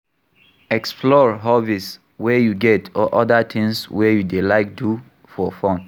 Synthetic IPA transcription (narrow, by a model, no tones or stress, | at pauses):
ɛksplɔɹɦavis | wɛjuɡɛtʰɔʔɔdat̪ʰɪ̃ŋswɛjudelaɪk̚du | fɔfɔ̃n